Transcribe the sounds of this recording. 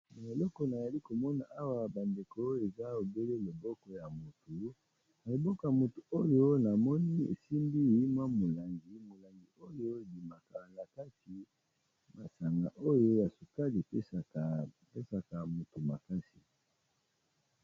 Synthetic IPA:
ma˨e˨lɔ˦kɔ˨na˨za˨li˦ko˨mɔ˦na˨ʔa˦wa˦ba˨nde˨ko˦e˨za˦o˨be˦le˦lo˨bɔ˦kɔ˨ja˨mo˨tu˨ | na˨lo˨bɔ˦kɔ˨˦ja˨mo˨tu˨o˦jo˦na˨mɔ˦ni˦ḛ˨si˦mbi˦˨i˦ma˦mo˨la˨ŋɡi˨mo˨la˨ŋɡi˨o˦jo˦e˨di˨ma˨ka˨na˨ka˦si˨ | ma˨sa˨ŋɡa̰˨ʔo˦jo˦ja˨so˨ka˦li˨pe˦˨ | pe˦sa˨ka˨mo˨tu˨ma̰˨ka˦si˨

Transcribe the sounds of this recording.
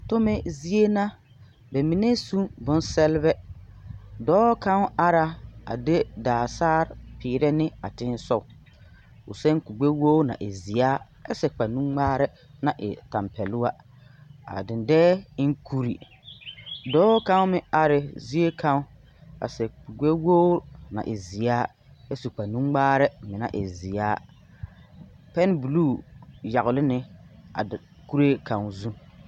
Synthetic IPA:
tʊ˦mɛ˦zi˦e˦na˦ | bɛ˨mi˨ne˦sũ˦bʊ˨n˦sɛ˦lbɛ˦ | dɔː˦ka˦ŋ˦a˦ɾa˨a̰˨de˦daː˨saː˦ɾpiː˨ɾɛ˦nɪ˦a̰˨tɪ˦n˦sɔ˦˨ | ʊ̰˨sɛ˦ŋ˦ku˨ɡ͡be˦woː˦na̰˨ʔe˨zi˨aː˦ | ɛ̰˦sɛ˨k͡pa˨nũ˦ŋ͡maː˦ɾɛ˦ | na˨ʔɪ̰˨ta˨mpɛ˨lu˦wa˦ | a̰˨dɪ˨ndɛː˦ɪ˦ŋ˦kʰu˦ɾi˨ | dɔː˦ka˦ŋ˦mɪ˦a˦ɾɪ˨zi˦e˦kʰa˦ | a̰˨sɛ˨u˨ɡ͡be˦woː˦na̰˨ʔɪ˨zi˨aː˦ | ɛ˦su˨k͡pa˨nũ˦ŋ͡maː˦ɾɛ˦mɪ˨na̰˦ʔɪ̰˨zi˨aː˦ | pɛ˦n˦bu˨luː˦˨ja˨ɣʊ˨lɪ˦nɪ˦a̰˨ | ku˦ɾe˦kã˨ŋ˨zu˦

